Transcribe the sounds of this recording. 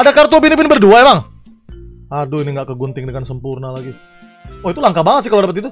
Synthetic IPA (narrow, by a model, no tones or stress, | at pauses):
adakart̪uapinipinibərduaemaŋ | aduiniŋɡaʔkəɡunt̪ɪŋdəŋansəmpurnalaɡi | ɔit̪ulaŋkabaŋət̪sɪhkaloadapət̪̬̚it̪̬u